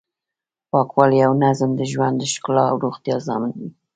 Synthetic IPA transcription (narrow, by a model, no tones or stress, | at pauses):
pɑkwɑlijawnazmd̪əʒwand̪əʃklɑ̰wɾoxt̪jɑzɑ̰mɪnd̪i